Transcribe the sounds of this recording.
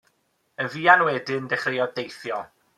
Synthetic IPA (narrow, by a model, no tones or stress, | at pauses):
ənviːanwɛdɪndɛχrɪɔdejθjɔ